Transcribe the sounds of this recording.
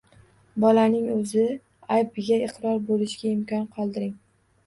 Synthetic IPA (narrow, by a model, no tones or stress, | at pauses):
bɒlanɪŋɵzɪ | ajbɪɡʲaɪqʰɾɒɾbolɪʃɡʲaɪmkʲʰɒnqʰɒlˠd̪ɪɾɪŋ